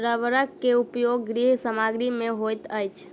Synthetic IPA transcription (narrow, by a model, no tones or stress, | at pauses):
ɾəʋɾəkːeupjoɡːɾiɦsəmaɡɾimẽɦojt̪əjt͡ʃʰ